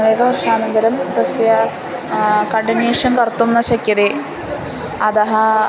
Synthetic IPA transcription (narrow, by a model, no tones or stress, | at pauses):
ʋeːɡɐprʂaːnɐnd̪ɐɾɐmd̪ɐsjɐ | kɐɳɖɐniːʂɐnkɐrt̪ːunːɐɕɐkjɐðe | ɐðɐɦɐ